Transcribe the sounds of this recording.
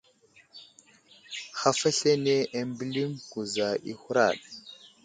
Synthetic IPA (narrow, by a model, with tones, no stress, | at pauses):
xa˨fa˦ɬe˦ne˦ʔa˦mbi˦li˦mku˨za˨ʔḭ˦xu˦ɾa̰˨ɗ